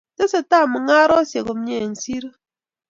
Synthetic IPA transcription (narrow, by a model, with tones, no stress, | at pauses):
te˦se˨ta˦˨mɨ˨ŋa˦ɾɔ˦sje˨ɣo˨m̩˦ɲe˦˨n̩˨si˦ɾ